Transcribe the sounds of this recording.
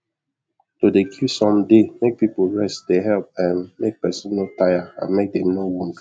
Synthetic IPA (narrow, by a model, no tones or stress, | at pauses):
todekʰusɔ̃mdemek̚pipoɹɛstdeɦɛlp̚ɛ̃nmek̚pɛsĩnnotajaã̰nmek̚dɛ̃nowũmk